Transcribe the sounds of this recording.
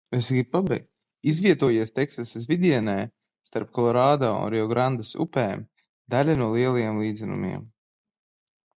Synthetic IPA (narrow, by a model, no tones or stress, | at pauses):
ɛsɡipabɛ̰jk̪ | izvʲiɛt̪uɔjiɛst̪ɛksaszʲvʲid̪ʲiɛnɛː | st̪aɾp̚kɔlˠɔɾaːd̪aːṵnɾɛɔɡɾand̪asṵpɛːm | d̪alʲanuɔlˠiɛlˠajeɛmlˠiːd̪zɛnṵmḭɛm